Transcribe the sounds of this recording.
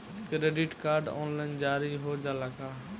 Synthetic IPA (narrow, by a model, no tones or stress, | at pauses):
kɾeːɖɪʈkaːɾɖo̰ːnlaːɪnd͡ʒaːɾiɦoːd͡ʒaːlaɡaː